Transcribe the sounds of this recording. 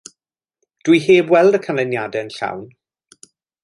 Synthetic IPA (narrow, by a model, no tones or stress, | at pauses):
d̥wiɦeːbwɛlˠdəkʰanlənjadɛənɬa̰wn